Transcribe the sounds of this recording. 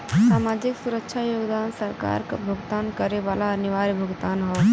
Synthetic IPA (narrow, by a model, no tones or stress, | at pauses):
saːmaːd͡ʒɪksuɾəkʃʰajoːɡd̪aːnsəɾka̰ːɾka̰bʱʊɡt̪aːnkəɾeʋaːlaɐnɪʋaːɾibʱəɡt̪aːnɦo